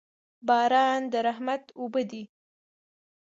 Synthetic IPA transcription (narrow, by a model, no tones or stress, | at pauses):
bɑːɾɑnd̪əɾaɦmat̪obəd̪i